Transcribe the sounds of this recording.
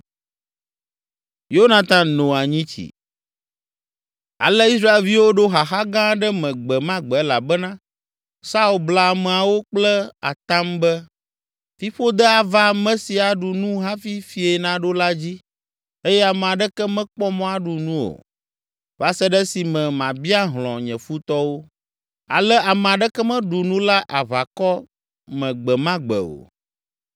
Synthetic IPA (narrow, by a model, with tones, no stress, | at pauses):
jo˦nã˨t̪ã˨nõ˨a˨ɲĩ˦t͡ɕḭ˨ | a̰˨lɛ˦i˦sɾa˦e˨lvi˦wo˦ɖo˦ɦa˨xa˦ɡã˦ɖɛ˦mɛ̃˨ɡ͡bɛ˨mã˦ɡ͡bɛ˨˦la̰˨bɛ˦nã˦ | sa˦u˨lbla˨a˨mɛ̃˨a˨wo˦k͡plɛ˦a̰˨t̪a˦mbɛ˦ | fi˦ɸo˦d̪ɛ˦a˨va˦mɛ̃˦si˨a˨ɖu˨nũ˦ɦa˦fi˦fi˨ɛ˨nã˦ɖo˦la˦d͡ʑi˦ | e˦jɛ˦a˨mɛ̃˨a˨ɖɛ˦kɛ˦mɛ̃˦k͡pɔ˦mɔ̃˦a˨ɖu˨nũ˦o̰˨ | va˦sɛ˦ɖɛ˦si˨mɛ̃˨mã˨bi˦a˦ɦlɔ̰̃˨ɲɛ̃˨fu˦t̪ɔ˦wo˦ | a̰˨lɛ˦ʔa˨mɛ̃˨a˨ɖɛ˦kɛ˦mɛ̃˦ɖu˨nũ˦la˦ʔa˨βa˨kɔ˦ | mɛ̃˨ɡ͡bɛ˨mã˦ɡ͡bɛ̰˨o̰˨